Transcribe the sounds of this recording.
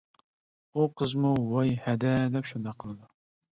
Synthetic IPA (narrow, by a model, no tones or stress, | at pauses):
uqʰəzmuwɑjhɛd̪ɛd̪ɛpʃund̪ɑqʰːəlˠɨd̪u